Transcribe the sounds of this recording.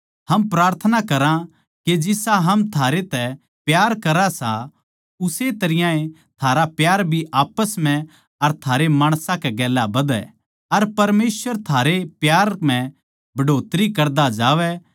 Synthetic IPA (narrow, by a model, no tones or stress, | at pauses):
hɐmpɾaːɾt̪ʰənakɐɾã | ked͡ʒɪsaɦɐmt̪ʰaːɾet̪ɛ | pjaːɾkɐɾasa | ʊset̪ɐɾɪjãẽ | t̪ʰaːɾapjaːɾbʱiʔaːpəsm̤ɛ̃ | ɐɾt̪ʰaːɾemaːɽ̃sãkɛɡɛːlːabɐd̪ɛ̰ | ɐɾpɐɾmeːsʋəɾt̪ʰaːɾepjaːɾm̤ɛ̃ | bʱɐɖoːt̪ɾikɐɾd̪ad͡ʒaːʋɛ